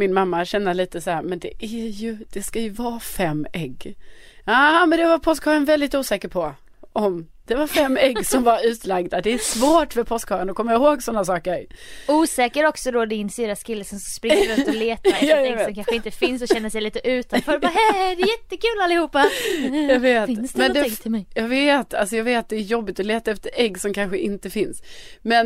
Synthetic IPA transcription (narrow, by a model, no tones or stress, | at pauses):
mɪnmamːaɕɛnːəliːt̪əsahæːɾmɛnd̪ɛʔæɾjɵd̪̥ɛskajɵvɑːfɛmːɛɡːɑːmɛnd̪ɛvaɾpʰɔskhɑːɾənvɛld̪ɪt̪uːsɛːkəɾpʰɔ | ʔɔm | d̪̥ɛvaɾfɛmːɛɡːsɔmvaɾʉ̟ːt̪laɡd̪ad̪ɛæsvoːʈfəpʰɔskhɑːɾənɔkʰɔmːajaɪhoːɡsɔnːasɑːkəɾuːsɛːkəɾɔksɔd̪ɔd̪ɪnsyːɾaskʰɪlːəsɔmsɔspɾɪəɾʉɔleːt̪aɛɛɡsɔmkʰanɧəɪnt̪əfɪnsɔɕɛnːəʂɛjliːt̪əʔʉ̟ːt̪anfœːɾbaɦɛd̪ɛjɛt̪ːəkʉ̟ːlalːɪhuːpːajɑɡveːt̪smɛnd̪ɛjɑːɡveːt̪a̰lsɔjɑːɡveːtt̪̚d̪ɛæɾjɔbːɪt̪ɔleːt̪aɛft̪əɾɛɡːsɔmkʰanɧəʔɪnt̪əfɪnsmɛn